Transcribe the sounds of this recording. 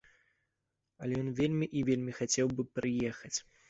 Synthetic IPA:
ɐlʲɛjɔnvʲelʲmʲiʔivʲelʲmʲixat͡sʲɛwbɨpɾɨjɛxɐt͡sʲ

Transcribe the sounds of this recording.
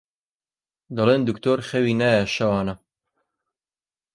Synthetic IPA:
d̪ɐleːnd̪ukt̪ʰoːɾχɛwiːnaːjɛʃɐwɑːnɐ

